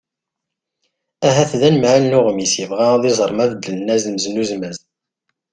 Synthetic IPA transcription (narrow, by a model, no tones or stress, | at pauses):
æɦæθðænəmʕalnʊʁmisjəvʁæðɪzˤəɾˤmæðd̪əlnæzməznuzmæz